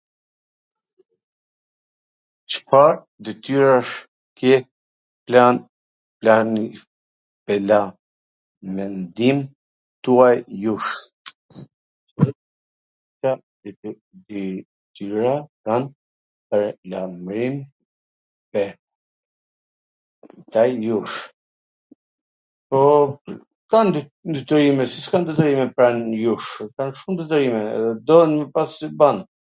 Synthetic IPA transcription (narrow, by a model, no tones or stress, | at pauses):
t͡ʃə̥faɾ | d̪ɛt̪yɾaʃ | kɛ | plan | plani | pɛla | mɛnd̪im | t̪uajjuʃ | ta | d̪ | d̪i | t̪yɾakan | pəɾlamɾim | pɛ | t̪ajjuʃ | pɔ | kand̪nd̪yt̪əɾimɛsi̥skand̪ət̪əɾimɛpɾanjuʃkanʃumd̪ət̪əɾimɛɛ̰ðɛd̪ɔənmɛpasiban